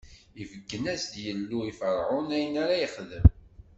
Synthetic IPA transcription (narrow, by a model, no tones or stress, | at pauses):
ivəɡːənæsd̪jəlːuifəɾˤʕʊnæjənaɾæjəχðəm